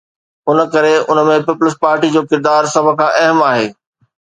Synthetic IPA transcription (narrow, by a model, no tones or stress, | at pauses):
ʊnəkɐɾeʊnə̆mẽpɪpʊləspaːɾʈid͡ʑoːkɪɾd̪aːɾsɐb̆ʱkʰãːʔɐɦəmaːɦeː